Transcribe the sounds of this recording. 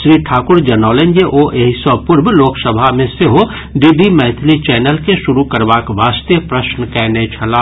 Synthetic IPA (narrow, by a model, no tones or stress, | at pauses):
ʃɾiːʈʰaːkʊɾd͡ʒɐnɔːlẽnd͡ʒeʔoʔeːɦisɔpʊɾbloːksəbʱamẽseɦo | ɖiːbimɛɦt̪ʰlit͡ʃɛːnəlkeʃʊɾukəɾʋaːkʋaːst̪jəpɾəʃnəkɛːnet͡ʃʰɐlaː